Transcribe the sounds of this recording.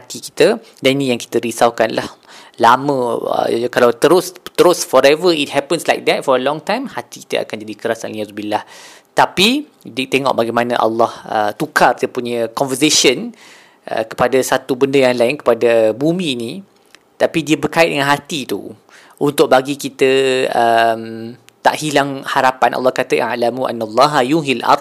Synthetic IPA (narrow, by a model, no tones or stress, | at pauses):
at̪iki̥t̪a | daninĩjaŋki̥t̪əɾisawkanlʔah | lamə̃ə̰kalawt̪əɾʊst̪əɾʊsfɔɾɛvəit̚hɛpənslajk̚d̪ɛt̪̚fɔɾəlɔ̃ŋt̪ãjmhat̪iki̥t̪ə̰a̰kand͡ʒadikəɾasa̰njazubilːah | t̪api | dit̪eŋɔ̰ʔbaɡajmãnãʔa̰lːɑhə̰t̪ukariəpuɲə̃kɔnvəsesən | ʔə̰kə̥padasat̪ubəndəjaŋlaɪnkə̥padabumĩːnĩ | t̪apidiəbərkaɪt̚dəŋãnɦat̪it̪ṵ | unt̪ʊʔ̚baɡikit̪əəm | t̪a̰ʔhilaŋhaɾapanʔɑ̰lːɑhkat̪aʔa̰lamuʔa̰nːalˤːɑɦajuɦilʔɑ̰rd̪̚